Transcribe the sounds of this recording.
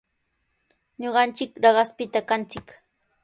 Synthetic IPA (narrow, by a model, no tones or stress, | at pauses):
ɲoɢɑnt͡ʃɪkɾɑɢɑspɪt̪akant͡sɪk